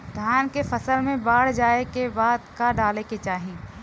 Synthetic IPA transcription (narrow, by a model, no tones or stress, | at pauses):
d̪ʱjaːnkefɐsəlmẽbaːɽ̤d͡ʒaːekebaːd̪kaɖaːleket͡ʃaːɦĩ